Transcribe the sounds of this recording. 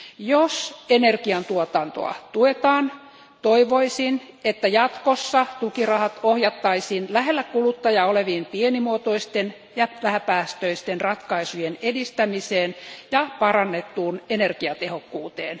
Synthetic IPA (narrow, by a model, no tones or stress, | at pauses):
josenerkiɑnt̪uot̪ɑnt̪o̰ɑ̰t̪uet̪ɑːn | t̪oiʋoisin | et̪ːæjɑt̪kosːɑt̪ukirɑhɑt̪ohjɑt̪ːɑisinlæɦelːækulut̪ːɑjɑoleʋiːmpienimuot̪oist̪en | jɑʋæhæpæːst̪øist̪enrɑt̪kɑisujenedist̪æmiseːnjɑpɑrɑnːet̪ːuːnenerkiɑt̪ehokːuːt̪eːn